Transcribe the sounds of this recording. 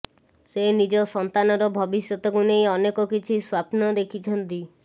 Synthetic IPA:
senid͡ʒɔsɔnt̪anɔɾɔbʱɔbisjɔt̪ɔkunejɔnekɔkit͡ʃʰiswapnɔd̪ekʰit͡ʃʰɔnt̪i

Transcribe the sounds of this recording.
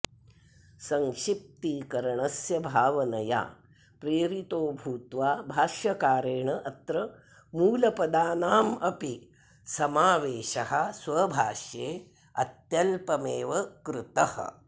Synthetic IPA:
sɐŋʃip̚t̪ikɐɾɐɳɐsjɐbʱaːʋɐnɐja̰ː | pɾeːɾit̪oːbʱuːt̪ʋaːbʱaːʃjɐkaːɾeːɳɐʔɐt̪ɾɐ | muːlɐpɐd̪aːnaːmɐpi | sɐmaːʋeːʃɐɦɐ̆sʋɐbʱaːʃjeː | ɐ̰t̪jɐlpɐmeːʋɐkɾut̪ɐhɐ̰

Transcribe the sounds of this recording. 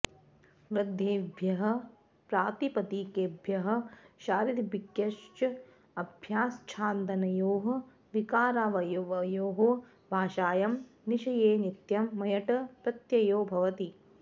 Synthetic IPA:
ʋɾɐd̪ʱeːbʱjɐɦɐ̆ | pɾaːt̪ipɐt̪iːkeːbʱjɐɦɐ̆ʃaːɾid̪bikjɐʃt͡ʃɐ | ɐbʱjaːst͡ʃʰaːnt̪ɐnɐjoːɦɐ̆ | ʋikaːɾaːʋɐjoʋɐjoːɦo | bʱaːʃaːjɐmniʃɐjeːnit̪jɐmːɐjɐʈɐpɾɐt̪jɐjoːbʱɐʋɐt̪i

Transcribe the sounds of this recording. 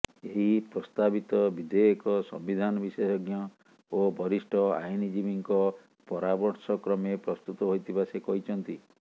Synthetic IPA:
eɦipɾɔst̪abit̪ɔbid̪eɔkɔsɔ̰mbid̪ʱanɔbisesɔɡjɔ | obɔɾisʈʰɔa̰jnid͡ʒibiŋkɔ | pɔɾabɔɾsɔkɾɔmepɾɔst̪ut̪ɔɦojt̪ʰibasekɔɦit͡ʃʰɔnt̪i

